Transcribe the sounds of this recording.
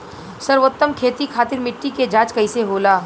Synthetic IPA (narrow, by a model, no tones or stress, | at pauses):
sɐɾʋot̪ːəmkʰeːt̪ikʰaːt̪ɪɾmɪʈːiked͡ʒaːt͡ʃkɐiseɦoːlaː